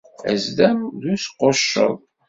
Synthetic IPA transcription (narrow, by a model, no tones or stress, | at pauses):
æ̰zd̪æmðusqoʃːə̰ðˤ